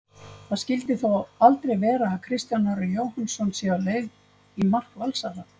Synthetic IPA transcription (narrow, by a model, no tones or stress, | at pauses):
θaðscɪlt̪ɪθowalt̪ɾejvɛːɾaːkʰɾɪst̪janaɾʏjoːwhansɔnsɛaleɥɣ | imar̥kvalsaða